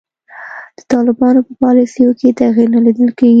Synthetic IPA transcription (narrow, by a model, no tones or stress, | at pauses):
d̪̥ə̥t̪ɑlɪbɑnopəpɑlisijoket̪aɣiɾnalid̪əlkeɡ